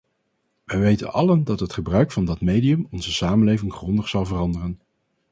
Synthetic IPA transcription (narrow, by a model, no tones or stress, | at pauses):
ʋəjʋejtə̰nɑ̰ləndɑtɦətχəbrœɥkfɑndɑtmejdiɵmɔnzəsaːmənlejvɪŋχrɔndəχsɑlˠvərɑndərən